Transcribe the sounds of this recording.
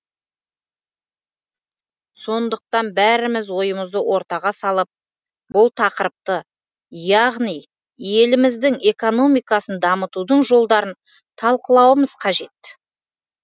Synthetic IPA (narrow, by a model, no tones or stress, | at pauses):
so̞nd̪əq̚t̪ɑnbæɾɪmɪzwo̞jəməzd̪əwʔo̞ɾt̪ɑʁɑsɑlˠəp̚ | bʊlˠt̪ʰɑqəɾəp̚t̪ə | jɑʁnij | je̞lɪmɪzd̪ɪŋe̞ko̞no̞mijkɑsənd̪ɑmət̪ud̪əɴʒo̞lˠd̪ɑɾən | t̪ʰɑlˠqəlˠɑwəməzqʰɑʒe̞t̪